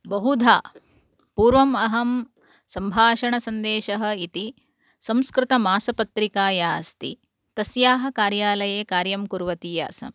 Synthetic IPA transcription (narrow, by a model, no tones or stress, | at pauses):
bɐɦud̪ʱaː | puːɾʋɐmɐɦɐm | sɐmbʱaːʃɐɳɐsɐnd̪eːʃɐɦɐ̆it̪i | sɐ̃mskɾɪt̪ɐmaːsɐpɐt̪ɾikaːjaːst̪ḭ | t̪ɐsjaːɦɐ̆kaːɾjaːlɐjeːkaːɾjɐmkuɾʋɐt̪iːja̰ːsɐ̰m